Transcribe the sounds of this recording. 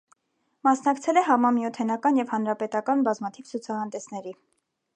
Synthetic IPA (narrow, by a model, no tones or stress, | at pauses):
mɑsnɑkt͡sʰɛlɛɦɑmɑmjɔt̪ʰɛnɑkɑnjɛvhɑnɾɑpɛt̪ɑkɑnbɑzmɑt̪ʰivt͡sʰut͡sʰɑɦɑnd̪ɛsnɛɾi